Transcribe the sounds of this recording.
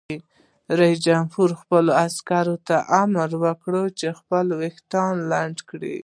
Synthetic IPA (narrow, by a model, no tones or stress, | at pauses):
ɾaisd͡ʒamhuɾxpəloaskaɾot̪aʔamɾwəkɽət͡ʃexpəlwext̪ɑnlaɳɖkɽḭ